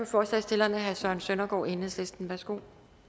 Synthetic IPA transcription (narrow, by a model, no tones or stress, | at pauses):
ɒfɒːsɛ̰ɪsd̥e̝lɐnæɦæsɶɐnsønɐɡ̥ɒ̰ːʔe̝nəslesd̥n̩ʋæsɡ̥o̝̰ː